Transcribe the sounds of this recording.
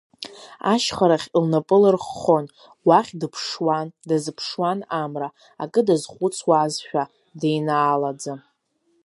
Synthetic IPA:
a̰ʃχaɾaχʲlnapʼɨlɨrχːo̞n | waχʲdɨpʰʂwandazɨpʰʂwanamra | akʼɨdazχʷʊt͡sʰwazʃᶣa | dejnaːlad͡za

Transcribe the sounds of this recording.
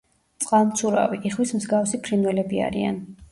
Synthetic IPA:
t̪sʼqʼalˠmt̪sʰuɾa̰viʔiχwismzɡafsipʰɾinwɛlɛbia̰ɾian

